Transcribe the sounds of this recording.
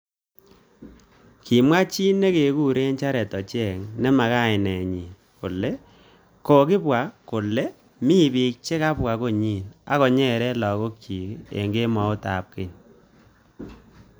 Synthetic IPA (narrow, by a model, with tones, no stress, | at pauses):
ki˨mwa˦t͡ʃi˦nːe˦ke˨ku˦ɾe˦nt͡ʃa˦ɾɛ˨tɔ˨t͡ʃɛ˦˨ŋnɛ˦ma˨ka˦˨ɪ˨nɛ˨ɲi˨ | ko˨le˦ | ko˨kɪ˦pwa˨ko˨le˦ | mi˦bi˨k̚t͡ʃe˦ka˦pwa˨ko˦ɲi˦˨na̰˨kɔ˨ɲɛ˦˨ɾɛ˦lɔ˨ko˦kji˨kḛ˨ŋɡe˦mɔ˨˦o˦ta̰˨p̚ke˨n